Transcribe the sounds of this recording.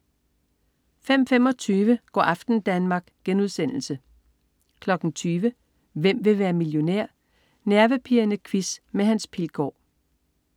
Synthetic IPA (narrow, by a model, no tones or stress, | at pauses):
fem̰fem̰ɒ̽t͡sʰyːʋəɡ̥ɒ̰ːʔɑfd̥n̩d̥ænmɑ̈ːɡ̥ɡ̥enuðˠsen̰l̩sə | kʰlɒ̽ɡ̥n̩t͡sʰyːʋə | ʋem̰ʋe̝ʋæːɐmiljo̝neɐ̰ | næɐʋəpʰiɐnəkʰʋismeɦænspʰilɡ̥ɒ̰ː